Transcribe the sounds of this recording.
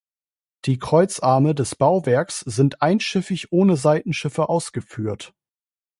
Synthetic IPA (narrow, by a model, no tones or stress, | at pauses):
d̥iːkʁ̥ɔʏt͡sʔaɐmədɛsb̥aʊvɛɐksz̥ɪntʔaɪnʃɪfɪçʔoːnəzaɪtn̩ʃɪfəʔaʊsɡ̥əfyːɐt